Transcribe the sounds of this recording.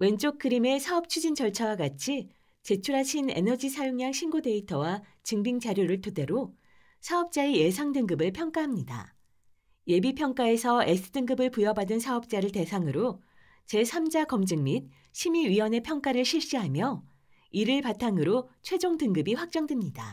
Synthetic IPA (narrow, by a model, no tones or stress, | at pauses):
we̞nt͡ɕ͈ok̚k͈ɯɾime̞sʰaʌp̚t͡ɕʰud͡ʑint͡ɕʌɭt͡ɕʰawaɡat͡ɕʰi | t͡ɕe̞t͡ɕʰuɾɦaɕʰine̞̰nʌd͡ʑisʰajoŋɲaŋɕʰinɡode̞itʰʌwa | t͡ɕɯŋbiŋt͡ɕaɾjoɾɯɭtʰode̞ɾo | sʰaʌp̚t͡ɕ͈aeje̞sʰaŋdɯŋɡɯbɯɭpʰjʌŋk͈aɦamɲida̰ | je̞bipʰjʌŋk͈ae̞sʰʌe̞s͈ʰɯdɯŋɡɯbɯɭpujʌbadɯnsʰaʌp̚t͡ɕ͈aɾɯɭte̞sʰaŋɯɾo | t͡ɕe̞sʰamd͡ʑakʌmd͡ʑɯŋmit̚ | ɕʰimiɥiwʌne̞pʰjʌŋk͈aɾɯɭɕʰiɭɕ͈iɦamjʌ | iɾɯɭpatʰaŋɯɾot͡ɕʰwe̞d͡ʑoŋdɯŋɡɯbiɸwak̚t͡ɕ͈ʌŋdwemɲida̰